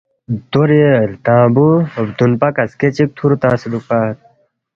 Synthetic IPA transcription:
d̪̥oɾilt̪ãːbuɐbd̪unpɐkɐsket͡ɕik̚t̪ʰuɾut̪ãːsilupaːt̪̚

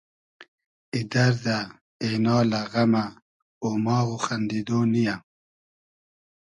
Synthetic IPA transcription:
id̪aɾd̪a | enɑːlaɣama | omɑːɣuxand̪id̪onija

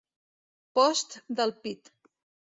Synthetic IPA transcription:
pɔst̪d̪əlˠpit̪

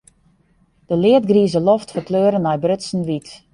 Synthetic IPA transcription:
d̥əlɪət̚ɡriəzəloftfərkløːɾənɛjbrøtsn̩ʋit

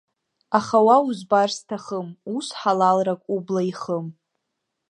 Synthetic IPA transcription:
aχawauzbarstʰaχəmusħalalrakʷʼublaiχəm

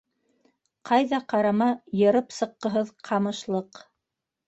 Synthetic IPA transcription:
qʰɑjðɑqɑɾɑmɑjɤ̆ɾɤpsɤ̆qːɤ̆ɦɤðqʰɑmɤ̆ʃlˠɤq

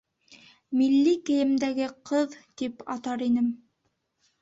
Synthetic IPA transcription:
milːikɘ̆jɘ̆md̪æɡɘqʰɤðt̪ipɑt̪ɑɾinɘm

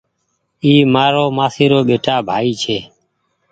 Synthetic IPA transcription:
iːmaːɾoːmaːsiːɾoːɓeːʈaːbʱaːiːt͡ʃʰeː

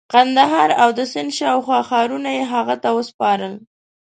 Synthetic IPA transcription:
qand̪aɦɑɾawd̪əsɪnd̪ʃɑwxwɑxɑɾunajeɦaɣat̪awəspɑɾəl

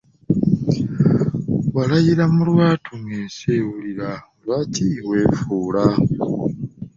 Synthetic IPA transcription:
βalajiɾamulwaːtʰuŋeːsewuliɾaolwaːcʰiwe̞ːfuːla

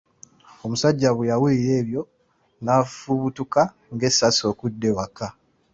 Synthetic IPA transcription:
o̞musaɟːaβujawiːɾe̞ːβjo̞ | nafuβutuka | ŋɡe̞sːaso̞ːkudːe̞waka

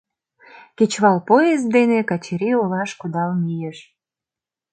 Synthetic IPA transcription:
ket͡ɕβɑlpoez̚d̪enekɑt͡ɕiɾiolɑʃkud̪ɑlmijeʃ

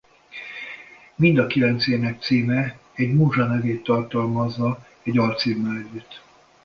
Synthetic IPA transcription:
mind̪ɒkilɛnt̪seːnɛk̚t̪siːmɛɛɟmuːʒɒnɛveːt̪ːɒrt̪ɒlmɒzːɒ | ɛɟɒrt̪siːmːɛlɛɟːyt̪ː

